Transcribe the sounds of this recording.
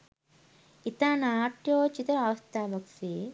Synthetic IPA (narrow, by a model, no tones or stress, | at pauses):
it̪aːnaːʈjoːt͡ʃit̪ɐaʋɐst̪aːbɐksi